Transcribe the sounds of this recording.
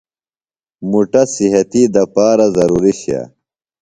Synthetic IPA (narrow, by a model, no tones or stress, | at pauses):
muʈɐsiɦɐt̪id̪ɐpaːɾɐzɐɾuːɾiɕa̰